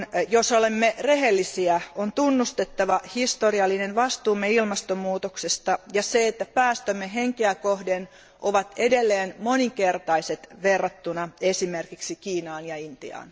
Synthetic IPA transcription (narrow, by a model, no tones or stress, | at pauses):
njosolemːereɦelːisiæont̪unːust̪et̪ːɑʋɑhist̪oriɑlːinenʋɑst̪uːmːeilmɑst̪omuːt̪oksest̪ɑjɑseet̪ːæpæːst̪ømːeɦeŋkeækohden | ʔoʋɑt̪edelːeːnmoniŋkert̪ɑiset̪ʋerːɑt̪ːunɑesimerkiksikiːnɑːnjɑint̪ḭɑ̰ːn